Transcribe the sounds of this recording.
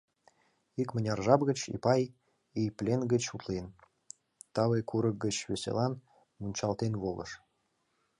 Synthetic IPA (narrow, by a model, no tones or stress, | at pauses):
ikmə̆nʲɑrʒɑbɣə̆t͡ɕḭpɑj | ijplʲenɡə̆t͡ɕut̪len | t̪ɑβekuɾə̆k̚ɡə̆t͡ɕβesʲḛlɑn | munʲt͡ɕɑlt̪enβolə̰̆ʃ